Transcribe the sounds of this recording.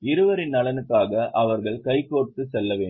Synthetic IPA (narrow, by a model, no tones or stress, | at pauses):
ɪɾɯʋɐɾɪnːɐɭɐnɯkːaːɣɐʔɐʋɐɾɣɐɭkɐɪkːoːʈ̚kɯsɛlːɐʋeː